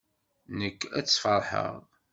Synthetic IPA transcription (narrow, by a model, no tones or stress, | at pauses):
nəkːæ̰t͡sːfəɾˤħə̰ʁ